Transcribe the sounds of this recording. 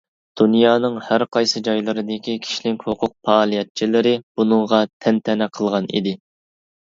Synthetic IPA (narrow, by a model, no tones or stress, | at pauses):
d̪̥unjɑːnɨŋhæɾqʰɑjsɨd͡ʒɑjlˠɨɾɨd̪ɪkʲikʲʰi̥ʃlɪŋkʲhoqʰʊq̚pʰɑːlˠijɛt̪̚t͡ʃʰilɪɾɪb̥unɨŋʁɑt̪ʰɛnt̪ʰɛnɛqʰəlˠʁɑnḭd̪ɪ